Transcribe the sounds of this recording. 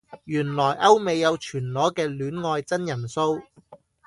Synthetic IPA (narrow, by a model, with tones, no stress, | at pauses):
jyː˨˩nlɔː˨˩jʔɐ˥wme˨˧jːɐ˨˧wt͡ʃʰyː˨˩nlɔː˨˥kɛː˧lyː˨˥nŋɔː˧jt͡sɐ˥njɐ˨˩nso˥w